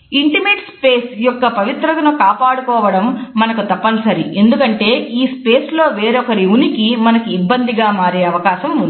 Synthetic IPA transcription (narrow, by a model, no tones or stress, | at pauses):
iɳʈime̞ːʈspeːsjɔkːɐpɐʋit̪ɾɐknukaːpaːɽukɔːʋɐɽɐmːɐnɐkut̪ɐpːɐnusɐɾie̞nd̪ukɐɳʈe̞ːiːspe̞ːslo̞ːʋe̞ːɾɔkɐɾiunikimɐnɐkuːbːɐnd̪iɡaːmaːɾeːɐʋɐkaːʃɐmund̪i